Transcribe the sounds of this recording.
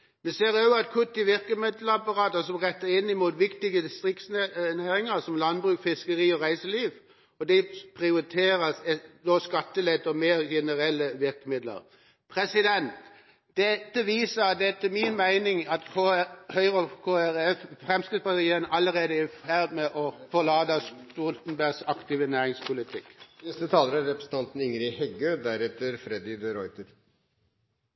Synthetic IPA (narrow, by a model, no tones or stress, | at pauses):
ʋɛseːɾøəɑt̪̚kʰʉt̪ːɪʋɪɾkəmɪd̪ləɑpɑɾɑːt̪əsɔmʁɛt̪ːəɾɪnːɪmuːt̪ʋɪkt̪ɪɡəd̪ɪst̪ʁɪkt̪snnæːɾɪŋəɾsɔmlɑnbʁʉːkfɪskəʁiːɔʁæɪsəliːʋ | ɔd̪ɛpʰʁɪʊɾɪt̪ʰeːɾəsɛd̪ɔskɑt̪ːəlɛt̪ːɔmeːɾjɛnəɾɛlːəʋɪɾkəmɪd̪lə̰ɾ | pʰɾɛsɪd̪ɛnt̪ | d̪̥ɛt̪ːəʋiːsəd̪ɛæt̪ʰːɪmɪnmæɪnɪŋɑt̪kʰohœʏʁəkʰoːæɾɛffʁɛmskʁɪt̪spɑt̪iːənʔɑlːəʁeːd̪əæfæɾd̪mɛʔɔfɔʁlɑːd̪əst̪ult̪n̩bæɡsɑkt̪iːʋənæːʁɪŋspʰʊlɪt̪ʰɪkːnɛst̪ət̪ʰɑːləɾæɾɛpɾɛsn̩t̪ʰɑnt̪n̩ɪŋəɾɪhɛɡøːd̪æɾɛt̪ːəɾfɾɛd̪ɪd̪əɾɔʏt̪əɾ